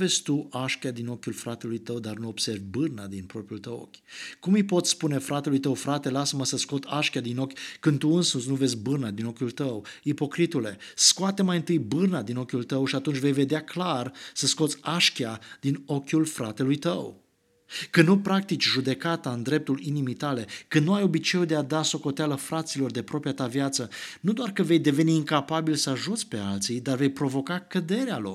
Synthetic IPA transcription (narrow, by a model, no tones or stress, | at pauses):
ve̞t͡ʃt̪uʔaʃkʲad̪ino̞kʲulfɾat̪e̞lujt̪əwd̪arnuo̞b̥se̞rvʲbɨrnad̪inpɾo̞pɾiult̪əwo̰kʲkumijpo̞t̪sʲspune̞fɾat̪e̞lujt̪əwfɾat̪e̞lasəməsəsko̞t̪aʃkʲad̪ino̞kʲkɨnd̪̚t̪ːuɨnsunsnuve̞zs̬ʲbɨrnad̪ino̞kʲult̪əwipo̞kɾit̪ule̞skoat̪emajɨnt̪ɨjbɨrnad̪ino̞kʲult̪əwʃiat̪unt͡ʃʲve̞jve̞d̪eaklarsəsko̞t̪sʲaʃkʲjad̪̥ino̞kʲulfɾa̰t̪e̞lujt̪əw | kɨnnupɾak̚t̪it͡ʃʲʒud̪e̞kat̪aɨnd̪ɾe̞p̚t̪ulinimijt̪ale̞kɨnd̪nuajo̞bit͡ʃe̞ud̪e̞ad̪aso̞ko̞t̪ealəfɾat̪silo̞rd̪e̞pɾo̞pɾijat̪avjat̪sənud̪oarkəve̞jd̪e̞ve̞niiŋkapabilsəaʒut̪sʲpe̞alt̪sijd̪arve̞jpɾo̞vo̞kakəd̪e̞ɾealo̞̰r